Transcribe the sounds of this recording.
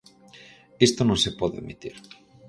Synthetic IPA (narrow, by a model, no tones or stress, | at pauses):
est̪onõnsepoðoemit̪iɾ